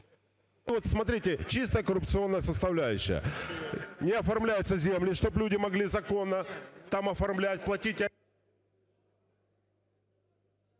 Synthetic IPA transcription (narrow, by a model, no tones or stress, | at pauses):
vo̞t̪smɐt̪ɾʲitʲɪt͡ɕist̪əjəkəɾʊpt̪sɨo̞nːəjəsəst̪ɐvlʲæjʉɕːɪ̰jə̰ | nʲɪɐfɐrmlʲæjʊt̪səzʲe̞mlʲɪʂt̪o̞blʲudʲɪmɐɡlʲizɐko̞nːət̪amɐfɐrmlʲætʲplˠɐtʲitʲɐ